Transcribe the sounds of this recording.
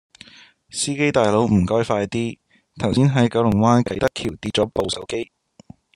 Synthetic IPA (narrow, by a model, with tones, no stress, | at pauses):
siː˥ke˥jt̪aː˨jlo˨˧wm̩˨˩kɔː˥jfaː˧jt̪iː˥ | t̪ʰɐ˨˩wsiː˥nɦɐ˨˥jkɐ˨˧˥wlʊ˨˩ŋwaː˥nkɐ˨˥jt̪ɐ˥kʰiː˨˩wt̪iː˧t̚t͡ʃɔː˨˥po˨wsɐ˨˥wke˥j